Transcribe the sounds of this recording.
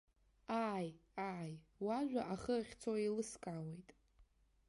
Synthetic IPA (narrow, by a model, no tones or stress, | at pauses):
aːjaːjwaʒᶣʷaʔaχəχʲt͡sʰoelɨskʼawe̞jtʼ